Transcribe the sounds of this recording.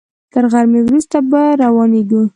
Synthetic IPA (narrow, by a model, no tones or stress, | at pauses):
t̪əɾɣaɾmewɾust̪abaɾawɑneɡu